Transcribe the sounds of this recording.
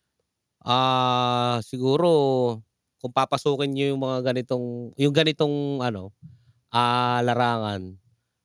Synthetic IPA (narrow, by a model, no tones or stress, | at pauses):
ʔaː | sɪɡuːɾo | kʊŋpapɐsuːkɪnjʊjʊŋmɐŋaɡɐnɪt̪oŋjʊŋɡɐnɪt̪o̞ŋʔɐno̞ | ʔalɐɾaːŋan